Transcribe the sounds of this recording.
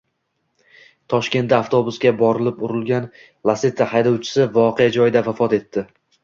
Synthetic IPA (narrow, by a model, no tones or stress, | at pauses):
t̪ʰɒʃkʲe̞nt̪d̪aːft̪ʰo̞bʊsɡʲabɒɾɪlɪpʊɾɪlˠɡʲan | lˠaset̪ʰːahajd̪ɒwt͡ʃʰɪ̥sɪvɒqʰe̞jad͡ʒɒjɪd̪avafɒt̪e̞t̪ʰːɪ